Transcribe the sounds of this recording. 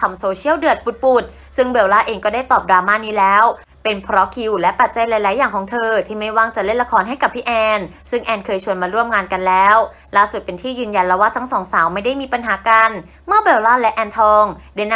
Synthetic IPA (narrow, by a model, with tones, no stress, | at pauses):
kʰa˧msoː˧t͡ɕʰi˥˩əwdɯ˨˩ət̪̚pu˨˩t̪̚pu˨˩t̪̚ | sɯ˥˩ŋbe˨˩wlaː˥˩ʔeː˧ŋkɔː˥˩da˥˩jt̪ɔː˨˩p̚dɾaː˧maː˥˩˨niː˦˥lɛː˦˥w | pe˧npʰɾɔ˦˥kʰi˧wlɛ˦˥pa˨˩t̪̚t͡ɕa˧jla˧˦jla˨˦jːaː˨˩ŋkʰɔː˩˦ŋt̪ʰɤː˧t̪ʰiː˥˩ma˥˩jwaː˥˩ŋt͡ɕa˨˩le˥˩nla˧kʰɔː˨˦nɦa˥˩jka˨˩p̚pʰiː˦˥˩ʔɛː˧n | sɯ˥˩ŋʔɛː˧nkʰɤː˧jt͡ɕʰu˧ənmaː˧ɾu˥˩əmŋaː˧nka˧nlɛː˦˥w | laː˥˩su˨˩pe˧nt̪ʰiː˥˩jɯː˧nja˧nlɛː˦˥waː˥˩t̪ʰa˦˥ŋsɔː˩˦ŋsaː˩˦wma˥˩jda˥˩jmiː˧pa˧nɦaː˩˦ka˧n | mɯː˥˩˨be˨˩˦wlaː˥˩lɛ˦˥ʔɛː˧nt̪ʰɔː˧ŋda˧˥˩jna˥